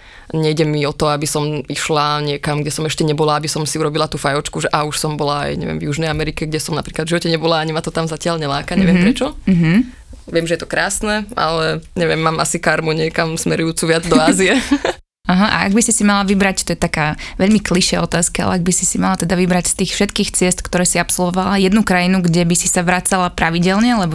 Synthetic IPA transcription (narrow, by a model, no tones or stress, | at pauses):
ɲɛjɟɛmiɔt̪ɔabisɔmiʃlaɲɪɛkamɡɟɛsɔmɛʃcɛɲɛbɔlaabisɔmsiuɾɔbilat̪uːfajɔt͡ʃkuʒɛʔauʃsɔmbɔlaa̰jɲɛ̰ʋɪɛ̰mvjuʒnɛjamɛɾikɛɡɟɛsɔmnapɾiklad̪vʒiʋɔcɛɲɛbɔlaaɲimat̪ɔt̪amzacɪaʎɲɛlaːkaɲɛʋɪɛmpɾɛt͡ʃɔɦ̩ | ʋɪɛmʒɛjɛt̪ɔ̥kɾaːsnɛa̰lɛɲɛʋɪɛmːaːmasikaɾmuɲɪɛkamsmɛɾujuːt͡suʋɪad͡zd̪ɔaːziɛ | aɦaʔa̰a̰ɡbisisimalaʋibɾact̪ɔjɛt̪akaːʋɛʎmikliʃɛɔt̪aːskia̰lɛ̰aɡ̚bisisimalat̪ɛd̪aʋibɾacst̪iːxfʃɛt̪kiːxt͡sɪɛst̪kt̪ɔɾɛːsiapsɔlʋɔʋalajɛd̪nukɾajinuɡɟɛbisisaʋɾat͡salapɾaʋiɟɛlɲɛlɛbɔ